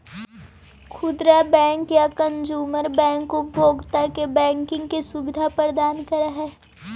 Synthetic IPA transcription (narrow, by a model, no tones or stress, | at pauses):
kʰʊd̪ɾabɛ̃ːŋkjakə̃nd͡ʒuːməɾbɛ̃ːŋkopbʱoːɡt̪akebɛ̃ːŋkɪ̃ŋɡkesʊbɪd̪ʱapəɾd̪aːnkəɾaɦɛː